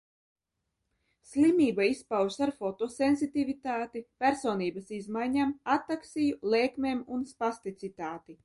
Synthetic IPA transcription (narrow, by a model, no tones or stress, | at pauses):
slʲimʲiːbaispawssaɾfɔt̪osenzit̪ivit̪aːt̪ipʲæɾsoːniːbɐsizmajɲamat̪ːaksijulˠeːkmʲeːmunspast̪it̪sit̪aːt̪i